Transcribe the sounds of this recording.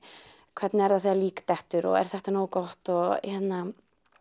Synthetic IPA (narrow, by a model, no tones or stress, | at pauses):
kʰvɛɾt̪nɛɾðaθiːaliːkt̪ɛht̪ʏɾɔ̰ɣɛ̰ɾ̥θɛht̪anoːwkɔht̪ɔçɛt̪na